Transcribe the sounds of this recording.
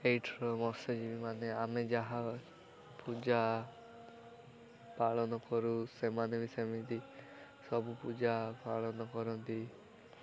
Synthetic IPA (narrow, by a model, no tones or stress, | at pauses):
ejʈʰɔɾɔmɔsɔd͡ʒibimaneamed͡ʒaɦa | pud͡ʒa | paɭɔnɔkɔɾusemanebisemit̪i | sɔbupud͡ʒapaɭɔnɔkɔɾɔnt̪i